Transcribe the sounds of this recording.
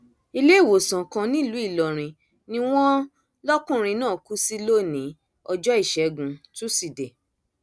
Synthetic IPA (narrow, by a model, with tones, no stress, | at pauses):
i˧le˦i˦˨wo˨sã˨kã˧nĩ˦˨lu˨˦i˦˨lɔ˨ɾ̃ĩ˧ | nĩ˦w̃ɔ̃˦ | lɔ˦kũ˦˨ɾ̃ĩ˧nãː˦˨ku˦si˦lo˦˨nĩ˨˦ | ɔ˧d͡ʒɔ˦i˦˨ʃɛ˨˦ɡũ˨˦tu˦si˦˨de˨